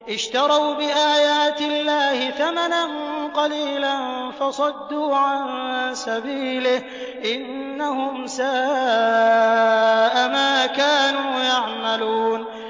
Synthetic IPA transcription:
ʔɪʃt̪ɑɾˤɑwbɪʔaːjaːt̪ɪlːaːhɪθamananqɑliːlanfɑsˤɑd̪ːuːʕansabiːlɪh | ʔɪnːahʊmsaː | ʔamaːkaːnuːjaʕmaluːn

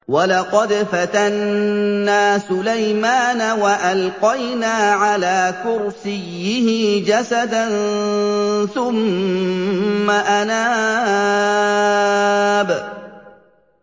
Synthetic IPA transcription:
walɑqɑd̪fat̪anː | aːsʊlajmaːnawaʔalqɑjnaːʕalaːkʊɾsɪjːɪhɪd͡ʒasad̪an | θʊm | aʔanaː | b

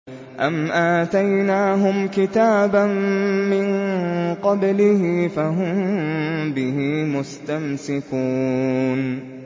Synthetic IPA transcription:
ʔamʔaːt̪ajnaːɦʊmkɪt̪aːbanːɪnqɑblɪhɪfaɦʊmmbɪhiːmʊst̪amsɪkuːn

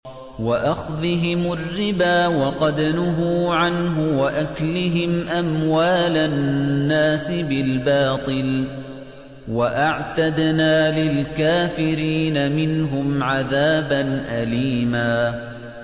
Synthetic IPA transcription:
waʔaxðɪɦɪmʊrːɪbaːwɑqɑd̪anʊɦʊʕanɦʊwaʔaklɪɦɪmʔamwaːlanːaːsɪbɪlbɑːt̪ˤɨl | waʔaʕt̪ad̪naːlɪlkaːfɪɾiːnamɪnɦʊmʕaðaːbanʔaliːmaː

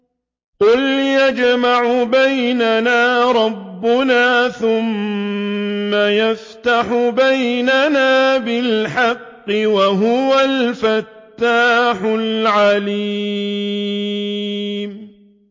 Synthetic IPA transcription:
qʊljad͡ʒmaʕʊbajnanaːɾˤɑbːʊnaːθʊm | ajaft̪aħʊbajnanaːbɪlħɑqːɨwaɦʊwalfat̪ːaːħʊlʕaliː | m

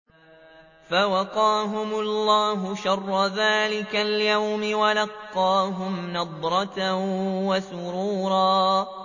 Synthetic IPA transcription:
fawɑqɑːɦʊmʊlːɑːɦʊʃɑrˤːɑðaːlɪkaljawmɪwalɑqːɑːɦʊmnɑd̪ˤɾˤɑt̪awasʊɾuːɾˤɑː

